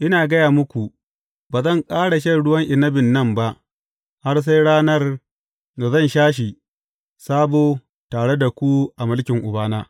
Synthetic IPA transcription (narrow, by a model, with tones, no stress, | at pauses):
ʔɪ˦naː˨ɡɐ˦jaː˨mʊ˦kʷu˨ | baː˨zɐ˦˨ŋkʼaː˦ɽa˨ʃɐ˦˨ɽʊ˦wɐ˦ŋʔɪ˨nɐ˦bɪ˨nːɐ˦mba˦ʔ | ha˦rs̬a˦jɽaː˦nɐ˦r | na˨zɐ˦˨nʃaː˦ʃ̬i˨ | saː˦boː˨ | taː˨ɽe˦da˨kʷu˦ʔa˨mʊ˦lkʲɪ˨ŋʔʊ˨baː˦naː˦